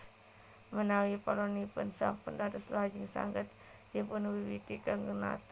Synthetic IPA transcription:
mənawipalɔnipʊnsa̰pəndat̪əslad͡ʒiŋsa̰ŋɡət̪ | jəpunwiwit̪ikaŋɡuna̰t̪

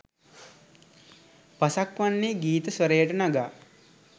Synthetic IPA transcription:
pɐsakʋanːiɡiːt̪əsʋɐɾejəʈənɐɡaː

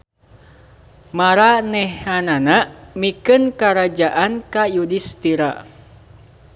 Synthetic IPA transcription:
maɾanɛhananaʔmikɨnkaɾad͡ʒaʔankajudist̪iɾa

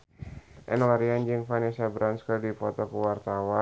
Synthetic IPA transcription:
ʔɛ̰nlaɾiand͡ʒɨŋfanisabɾanskɔdipɔt̪ɔkəwart̪awa

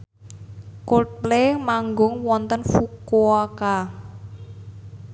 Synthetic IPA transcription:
koplemaŋɡʊŋwɔnt̪ənfukuɔka

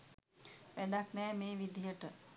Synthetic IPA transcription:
ʋæɖaknɛːmeːʋid̪ijəʈə

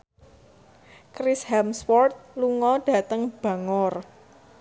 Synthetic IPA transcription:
kɾɪshɛmswɔrt̪̚luŋɔɖ̥ä̤t̪əŋb̥ä̤ŋɔr

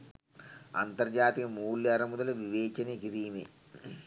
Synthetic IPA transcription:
ɐ̰nt̪ɐrd͡ʒaːt̪ikɐmuːlːɐɾɐmud̪ɐlɐʋiʋeːt͡ʃɐnekid̪iːme

